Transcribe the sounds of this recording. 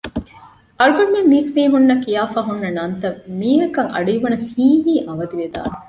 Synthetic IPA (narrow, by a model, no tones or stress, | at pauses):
ʔɐɾuɡɐmmemːiːsmiːɦunːɐkːijaːfaːɦunːɐnɐnt̪ɐmiːɦɐkɐŋʔɐ̰ɖijʋɐnɐshiːɦiːʔɐʋɐd̪iʋed̪a̰ːne